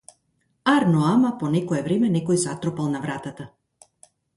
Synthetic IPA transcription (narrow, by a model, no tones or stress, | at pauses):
aɾnɔamapɔnɛkɔɛvɾɛmɛnɛkɔjzat̪ɾɔpalˠnavɾat̪at̪a